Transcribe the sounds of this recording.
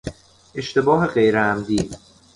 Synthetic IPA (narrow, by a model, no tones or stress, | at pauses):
ʔe̞ʃt̪ʰe̞bɒːɦe̞ɢejɾeæmd̪iː